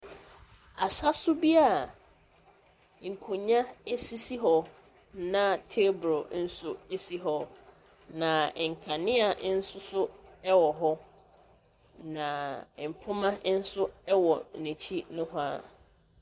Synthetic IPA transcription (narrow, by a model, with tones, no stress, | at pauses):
a˨sa˦sʊ˦bi˦a˦˨ | ŋ̩˨kʰo˨ɲã˦e˦si˦si˦ɦɔ˦ | nã˦tʰe˦bɾo˨n̩˦sʊ˦e˦si˦ɦɔ˦ | nã˨ŋ̩˨kʰa˨nɪ̃˦a˨˦n̩˦sʊ˦sʊ˦ɛ˦wɔ˨ɦɔ˦ | nã˨m̩˨pʰʊ˦mã˦n̩˦sʊ˦ɛ˦wɔ˨nĩ˨t͡ɕʰi˦nʊ̃˦ɦʊ˦a̰˦˨